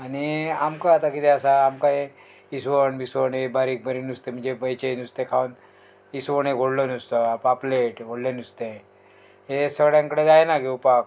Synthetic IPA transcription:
aniamkaat̪akit̪eəsaːmkae | isʋəɳbisʋəɳebaɾiːk̚bʱəɾinust̪em̤əɳd͡ʑebəjt͡ɕenust̪ekʰaun | isʋəɳ̃eɡʱoɽlənust̪opapleʈɡʱoɽlenust̪e | ɦesəɡɽjãŋkəɽed̪ajenakeupak̚

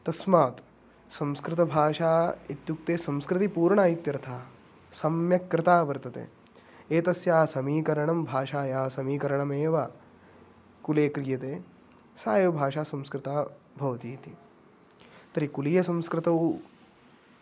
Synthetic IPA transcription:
t̪ɐsmaːt̪ | sɐmskɾɪt̪ɐbʱaːʃaːit̪jukt̪eːsɐ̃mskɾɪt̪ipuːɾɳaːjit̪jɐɾɐt̪ʰaː | sɐmjɐkːɾɪt̪aːʋɐɾt̪ɐt̪ḛː | eːt̪ɐsjaːsɐmiːkɐɾɐɳɐmbʱaːʃaːjaːɦɐsɐmiːkɐɾɐɳɐmeːʋa | kuleːkɾijɐt̪eː | saːjɐʋbʱaːʃaːsɐ̃mskɾɪt̪aː | bʱɐʋɐt̪iːt̪i | t̪ɐɾikuliːjɐsɐ̃mskɾɪt̪ɐw

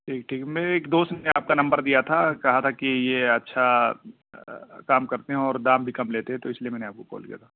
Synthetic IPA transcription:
ʈʰiːkʈʰiːkmeːɾeːkd̪oːst̪eaːp̚kanɐ̃mbəɾd̪ijat̪ʰakɐɦat̪ʰakijeɐtːʃʰa | kaːmkɐɾt̪eɦɛ̃ɔːɾd̪aːmbʱikɐmleːt̪eɦɛ̃t̪oɪslijemɛːneaːp̚koko̰ːlkḭja̰t̪ʰaː

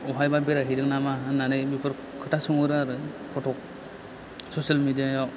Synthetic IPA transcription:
ɔɦajbabeɾaɦidɯŋ̚namaɦɯnːanɯjbipʰɯɾ | kʰɯtʰasɯŋɯɾɯaɾɯpʰɔtʰɔk̚ | sɔsalmidijaja

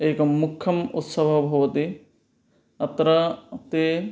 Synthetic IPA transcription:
ekɐmukʰːɐmut̪sɐbʱɐbʱɐwɐt̪i | ɐt̪ɾɐt̪e

